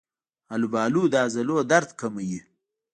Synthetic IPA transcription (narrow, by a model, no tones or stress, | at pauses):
ɐlubaːluːd̪aːzɐloːd̪ɐɾt̪kʰɐmɐji